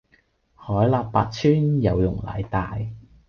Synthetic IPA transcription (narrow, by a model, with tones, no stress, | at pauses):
hɔː˨˥jlaː˨˧p̚pːaː˧t̚t͡sʰyː˥njɐ˨˧wjʊ˨˩ŋla̰ː˨˩jt̪aː˨j